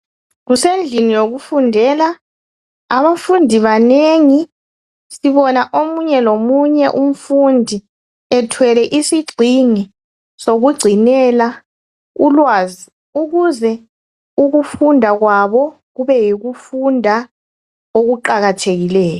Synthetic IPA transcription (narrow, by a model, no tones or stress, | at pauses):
ɣusend͡ɮʱinijoɣufundʱɛːla | aβafundʱiβaneŋi | siβɔnaʔomuɲɛlomuɲɛʔum̩fundʱi | ɛtʰwɛlɛʔisiɡ͡ǀʱini | soɣuɡ͡ǀʱinɛla | ulwaːzi | uɣuzɛ | uɣufundʱaɣwaβɔ | ɣuβɛjiɣufundʱa | oɣuǃaɣatʰeɣilɛːjɔ